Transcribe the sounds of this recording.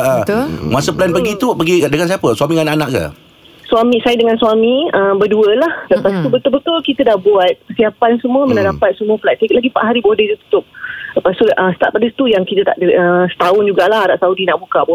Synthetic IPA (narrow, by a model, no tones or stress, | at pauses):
əət̪masəplɛnpəɡit̪upəɡidəŋansiapəswamiŋanaʔanãʔka̰ | swamĩsajədəŋanswamĩəmbəduəlahləpast̪ubət̪ʊlbət̪ʊlkit̪ədahbuat̪̚kəsiapansəmũəmənədapat̪̚səmuəflat̪ikʔlaɡipaʔɦaɾibodəd͡ʒut̪u̥t̪ʊp̚ləpast̪ulʔəsə̥t̪at̪̚padəst̪ujaŋkit̪ət̪a̰ʔdəʔəsə̥t̪aʊnd͡ʒuɡaʔlahaɾaʔsaudinaʔbuka̰ʔbo